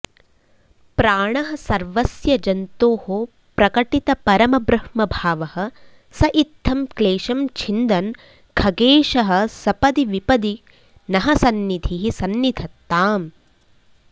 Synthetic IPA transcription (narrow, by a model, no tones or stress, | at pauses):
pɾaːɳɐɦɐ̆sɐɾʋɐsjɐd͡ʒɐnt̪oːho | pɾɐkɐʈit̪ɐpɐɾɐmɐbɾɐhmɐbʱaːʋɐhɐ̆ | sɐʔit̪ʰːɐmkleːʃɐmt͡ʃʰind̪ɐn | kʰɐɡeːʃɐɦɐ̆sɐpɐd̪iʋipɐd̪i | nɐɦɐsɐnːid̪ʱʰiɦisɐnːid̪ʰɐt̪ːaːm